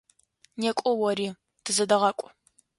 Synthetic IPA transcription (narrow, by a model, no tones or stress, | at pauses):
nekʷʼɔwɔɾiː | d̥ɨzɐdɐʁɐkʷʼʊ